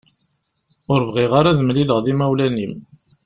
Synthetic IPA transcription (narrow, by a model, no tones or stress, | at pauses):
ʊɾvʁiʁaɾaðəmliləʁðimæwlænim